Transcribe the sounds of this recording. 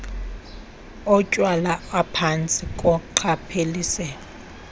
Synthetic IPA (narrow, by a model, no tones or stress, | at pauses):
ɔcʼwalaapʰant͡sʼɪkʼʊǃʰapʰeliːsɛ